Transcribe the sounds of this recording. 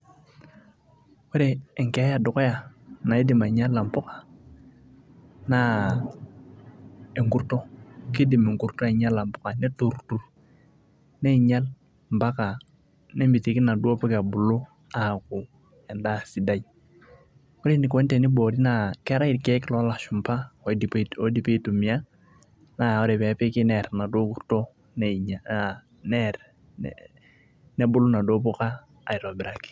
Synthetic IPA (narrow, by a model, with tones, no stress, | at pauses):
o˦ɾeː˨ŋke˨a˦ja˨dʊ˨kɔ˦ja˨na˨e˦di˨ma˨ɲa˦lːa˨mpʊ˦kḁ˨ | na˨ | e˨ŋku˦˨ɾtɔ˦ki˦di˨me˨ŋku˨ɾtɔ˦a˨ɲa˦la˨mpʊ˦ka˨ne˦tu˨ɾtu˨ɾ | ne˦˨ɲa˦l | m˨ba˦ka˨ | ne˦mbi˨ti˨kɪ˦na˨du˦o˦pɪ˦ka˨bʊ˨lu˦ | a˨ku˨ | ɛ˨nda˦si˨da˦˨j | ko˦ɾe˦ni˨kɔ˦n˦te˨ni˦bo˨ɾi˦na˨kɛ˦ɾa˦i˨ɾkɛ˦klɔ˦la˨ʃʊ˨mpa˦˨po˦di˨pe˦tu˨mi˨a˦ | na˨o˦ɾe˨pɛ˨pe˦kɪ˦nɛ˨ɾna˨do˦ku˦to˦ | naa | nɛ˦ɾ̰ | nɛ˦bʊ˦lʊ˦na˨do˦pʊ˦kaː˦˨ | i˨ɾɔ˨bɪ˨ɾa˨ki̥˨